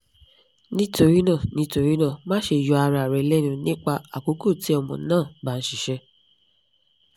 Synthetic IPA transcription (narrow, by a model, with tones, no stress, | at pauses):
nĩ˦to˧ɾi˦nã˦˨nĩ˨˦to˧ɾi˦nã˦˨mã˦ʃe˧˨jɔ˨˧a˧ɾɾɛ˨˧˦lɛ˦nũ˧nĩ˦k͡pa˧a˨ko˨˦ko˦˨ti˨˦ɔ˧mɔ̃˨˦nãː˦˨ba˨˦n̩˦ʃi˨ʃɛ˧